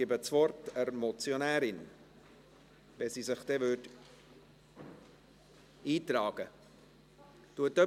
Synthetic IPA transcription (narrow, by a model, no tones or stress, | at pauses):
ɪbət͡svɔɾtəɾmɔt͡sjonæːɾɪn | vɛsiːsɪχd̥ɛːvød | iːtɾɑːɡ̥ə | tuətœ